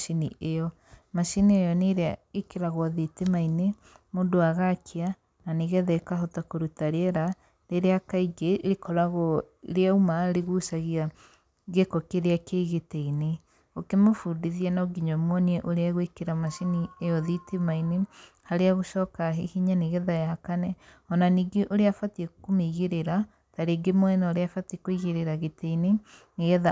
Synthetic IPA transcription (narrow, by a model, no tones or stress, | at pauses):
ʃiniʔeɔ | maʃiniejɔneɾeaekeɾaɣwɔðitemaine | moːndoaɣakʰea | naneɣɛðɛkaɦɔtakoɾutaɾeɛɾa | ɾeɾeakaiɡeɾekɔɾaɣɔ | ɾeaumaɾeɣusaɣia | ɡekɔkeɾeakeɣeteine | okemofudiðiɛnaoɡiɲɔmwɔniɛʔoɾeaɣwekeɾamaʃiniejɔðitemaine | haɾeaɣoʃɔːkaɦehiɲaneɣɛðajakanɛ | ɔnaniːɡeʔoɾeafatiekomeiɣeɾeɾa | taɾeːɡemwɔɛnaoɾeafatekoiɣeɾeɾaɣeteineneɣɛða